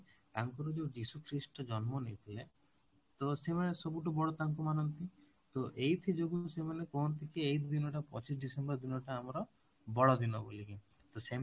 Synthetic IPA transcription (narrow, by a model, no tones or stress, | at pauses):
t̪aŋkɔɾud͡ʒod͡ʒisukʰɾisʈɔd͡ʒɔnmɔnejt̪ʰile | t̪ɔsemanesɔbuʈubɔɽɔt̪aŋk̬umanɔnt̪i | t̪oʔejt̪ʰid͡ʒoɡusemanekɔnt̪ikeejd̪inɔʈapɔt͡ʃis̬ɖisembɔɾd̪inɔʈaːmɔɾɔ | bɔɽɔd̪inɔboliki | t̪ɔse